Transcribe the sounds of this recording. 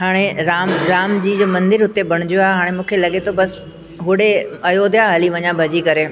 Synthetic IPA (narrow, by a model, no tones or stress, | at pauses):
ɦaːɽ̃eɾaːmɾaːmd͡ʑiːd͡ʑoːmɐ̃nd̪ɪɾɦʊt̪ebʱɐɽ̃ʊd͡ʑijoaːɦeɦaːɽ̃emũːkʰelɐɠet̪ʰobɐs | ɦʊɽeɐjod̪jaɦɐliʋɐɲãbʱɐd͡ʑikɐɾeː